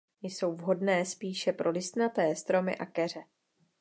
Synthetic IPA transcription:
jso̞wvɦo̞dnɛːspiːʃɛpɾo̞lɪst̪nat̪ɛːst̪ɾo̞mɪ̰ʔakɛr̝ɛ

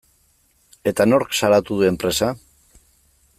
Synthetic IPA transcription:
e̞t̪ano̞ɾksaɾat̪uðue̞mpɾe̞sa

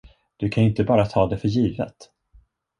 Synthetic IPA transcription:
d̪̥ɵkʰanɪnt̪əbɑːɾat̪ʰɑːd̪ɛfœɾjiːvə̰t̪

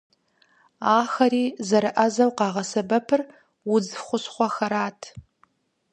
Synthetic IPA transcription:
aːxɐɾiːzɐɾɨʔɐzɐwqɑːʁɐsɐbɐpʰɨr | wʊd͡zχʷʊsχʷɔxɐɾaːtʰ

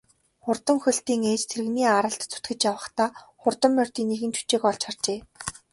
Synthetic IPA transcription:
χʊrt̪ə̆ŋxɵ̆ɮt̪iːŋeːt͡ɕt̪ʰeɾɘ̆ɣniːaɾə̆ɬt̪t͡sʰʊ̥t̪ɡɘ̆t͡ɕjawə̆χt̪aː | χʊrt̪ə̆mːœr̥ʲt̪iːnːeɣɘ̆nt͡ɕʰu̥t͡ɕeːkɔɮt͡ɕχart͡ɕeː

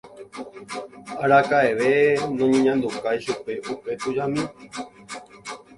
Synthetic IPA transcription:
aɾakaeʋe̞nõɲẽɲãnd̪ukajʃupe̞ʔupe̞t̪ud͡ʒamĩ

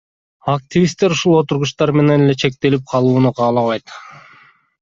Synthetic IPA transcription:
ak̚t̪ʲivʲist̪ːeɾuʃulˠo̞t̪uɾʁuʃt̪ɑɾme̞nenele̞t͡ʃʰe̞k̚t̪e̞lip̚qʰɑlˠuːnuqʰɑːlˠɑβɑjt̪

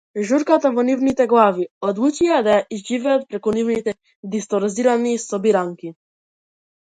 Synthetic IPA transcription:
ʒuɾkat̪avɔnivnit̪ɛɡlˠaviɔd̪lˠut͡ʃijad̪ajaʔizʒivɛat̪̚pɾɛkunivnit̪ɛ | d̪ist̪ɔɾziɾanisɔbiɾaŋki

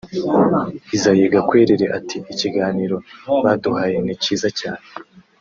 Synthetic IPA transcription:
izajeɡakwe̞ɾe̞ɾe̞ʔatʰiiciɡaːniːɾo̞βaduhaːje̞niciːzacaːne

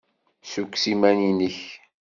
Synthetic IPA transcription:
sukʷːsimæninəç

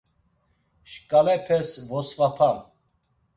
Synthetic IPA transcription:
ʃkʼalɛpʰɛsvɔsvapʰa

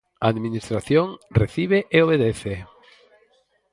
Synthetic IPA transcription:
aaðminist̪ɾaθjoŋreθiβeʔeoβeðeθe

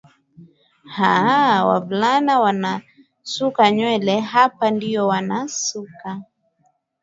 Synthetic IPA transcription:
hawa̰vulanawana | sukaɲwɛlɛɦapandiɔwanasuka

